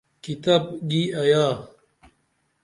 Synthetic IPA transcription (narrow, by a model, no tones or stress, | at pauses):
kit̪ɐbɡiɐjaː